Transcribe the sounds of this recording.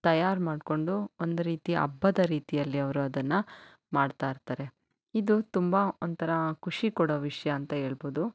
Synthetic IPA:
t̪ɐjaːɾmaːɖko̞ɳɖuond̪uɾiːt̪iʔɐ̰bːɐd̪ɐɾiːt̪ijɐlːiɐʋɐɾuɐd̪ɐnːɐ | maːɖt̪aːiɾt̪aːɾe̞ | id̪ut̪umbɐont̪ʰɐɾɐkʰuʂikɔɽoʋiʂɐjɐːnt̪ɐɦe̞ːɭboːd̪u

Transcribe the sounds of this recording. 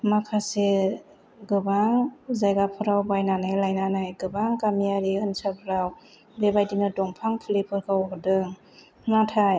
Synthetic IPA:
makʰase | ɡɯbaŋzajɡapʰɯɾawbajnanajlajnanajɡɯbaŋkamiaɾiɯnsapʰɾaw | bebajdinɯdɔŋpʰaŋpʰilipʰɯɾkʰɯwɔdɯŋ | natʰaj

